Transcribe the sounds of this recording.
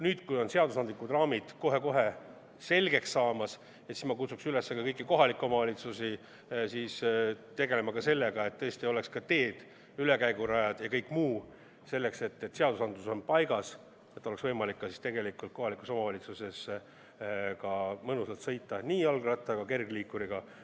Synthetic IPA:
nyːt̪kujo̞nse̞ɑd̪usɑnd̪likːˑut̪rɑːmid̪̥ko̞ɦe̞ko̞ɦe̞ | se̞lɡe̞ksːɑːmɑs | esinmɑkut̪suksylesːekɑkɤjkːˑiko̞ɦɑlikːˑomɑvɑlʲit̪susi | siːst̪e̞ɡe̞le̞mɑkɑse̞lːe̞ɡ̥ɑe̞t̪ːɤesʲt̪io̞lekskɑt̪e̞ːd̪̥ | yle̞kæjɡuɾɑjɑd̪̥jɑkɤjkːˑmuː | se̞lːe̞kse̞t̪ːet̪ːseɑd̪usɑnd̪luso̞npɑjɡ̥ɑs | e̞t̪ːˑolesvɤjmɑlikːɑsi̥st̪e̞ɡe̞likult̪̚ko̞ɦɑliku̥so̞mɑvɑlʲit̪suse̞s | kɑmɤnusɑt̪sɤjt̪ːˑɑniːɑlɡrɑt̪ˑːɑɡɑke̞rɡ̥liːkːuɾiɡ̥ɑ

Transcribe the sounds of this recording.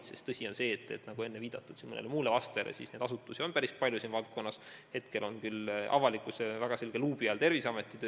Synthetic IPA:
sest̪ɤsʲio̞nse̞ːt̪ːˑe̞t̪nɑɡ̥ue̞nːeviːd̪̥ɑt̪ːˑud̪̥simːonḛlemuːlevɑst̪elʔḛsisne̞d̪̥ɑs̬ut̪ːˑusio̞npæɾispɑlʲjusiːnvɑlt̪̚ko̞nːɑshe̞t̪ke̞lʔo̞nkylʔɑ̰vɑlikːˑusevæɡ̥ɑse̞lɡ̥eluːbiɑlt̪e̞rvisɑme̞t̪ːˑit̪øː

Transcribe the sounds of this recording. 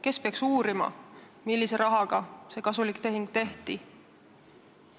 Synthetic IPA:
ke̞speɑksuːɾimɑ̰ | milːise̞ɾʔɑɦɑɡ̥ɑse̞kɑsulikt̪e̞ɦiŋɡ̥̚t̪e̞ht̪i

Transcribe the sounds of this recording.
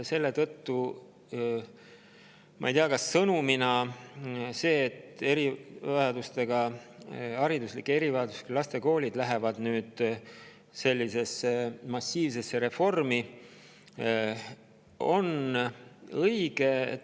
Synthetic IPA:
se̞lːe̞t̪ɤt̪ːu | mʔɑ̰ijt̪iɑkɑsːɤnuminɑ | se̞ːt̪e̞ɾivɑjɑd̪ust̪e̞ɡ̥ɑ | ɑɾid̪uslikːˑee̞ɾivɑjɑd̪̥usklɑst̪e̞ko̞ːlʲid̪læɦevɑd̪̥nyːd̪̥ | se̞lʲːise̞se̞mɑsʲːiːvsesːe̞ɾe̞fo̞rmi | o̞n | ɤjɡ̥e̞̰

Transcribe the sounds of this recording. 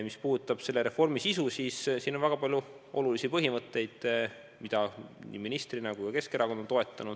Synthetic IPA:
mispuːd̪ut̪ːˑɑb̥se̞lːeɾe̞fo̞rmisisusiːssiːnːo̞nvæɡ̥ɑpɑlʲju | ʔo̞̰lulisipɤɦimɤt̪ːe̞jd̪̥ | mid̪̥ɑnḭːminist̪rinɑkujkɑke̞ske̞ɾɑkond̪nt̪o̞e̞t̪ːˑɑnud̪̥

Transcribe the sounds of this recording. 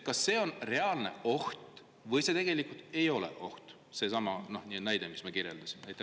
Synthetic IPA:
kɑsːe̞ːo̞nre̞ɑlne̞̰o̞ht̪ | vɤjse̞t̪e̞ɡ̥e̞likˑult̪e̞jo̞lḛʔo̞̰ht̪ | se̞sɑmɑno̞hninæjd̪emismɑkirjḛld̪̥ɑsimenæjt̪ːˑe

